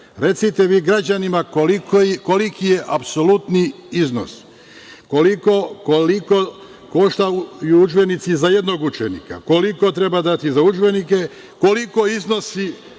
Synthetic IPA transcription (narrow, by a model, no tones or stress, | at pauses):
ɾe̞t̪sit̪eʋiːɡɾad͡ʑanimakoikkolikije̞ʔapso̞lut̪niizno̞̰s | kolikokoliko | ko̞ʃt̪aujuud͡ʒbe̞nit̪sizaje̞d̪no̞ɡut͡ʃenika̰ko̞liko̞t̪ɾe̞bad̪at̪izaud͡ʒbe̞nike | ko̞liko̞izno̞si